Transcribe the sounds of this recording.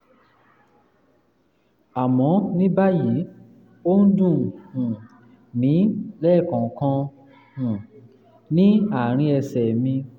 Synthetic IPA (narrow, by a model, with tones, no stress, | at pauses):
a˨mɔ̃˨˦nĩ˦ba˦ji˨˦ | o˦n̩˦dũ˦˨hũ˨ | nĩ˨˦lɛ˦˨kɔ̃˨kã˧ | hũ˨ | nĩ˨˦a˦˨ɾ̃ĩ˧ɛ˧sɛ˨mĩ˧